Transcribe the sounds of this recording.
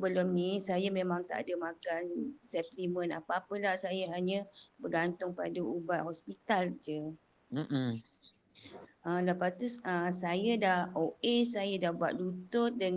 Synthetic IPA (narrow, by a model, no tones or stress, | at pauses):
bəlʊmnisajamemãŋt̪a̰ʔdəmãkansɛplimə̃na̰paapəlahsajaɦaɲəbəɡant̪ʊŋpadaubaʔhɔspit̪ald͡ʒə | m̩ | ələpast̪uəsajadahoʔesajadahbua̰ʔ̪̚dut̪ʊt̪̚də